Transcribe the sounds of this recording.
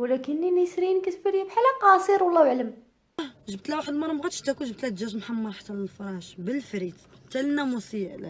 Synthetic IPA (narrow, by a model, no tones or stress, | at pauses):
wlækənːinisɾinkæt̪fəɾjæbħalɑqɑsˤiɾwəlˤːɑwʕləm | ʒəb̚t̪læwaħəd̪mɑɾˤɑmɣæt̪ʃt̪ækunʒəb̚t̪læd̪ʒæʒmħamːɑɾˤħḁt̪ːæməəlfɑɾˤɑʃbəlfɾit̪t̪ːælənæmusiæʔl